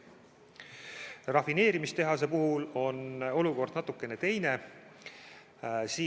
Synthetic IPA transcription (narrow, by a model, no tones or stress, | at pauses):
rɑfine̞ːɾimist̪e̞ɦɑse̞puɦulo̞no̞luko̞rd̪̥nɑt̪ːˑukːˑe̞ne̞t̪e̞jne̞ | siː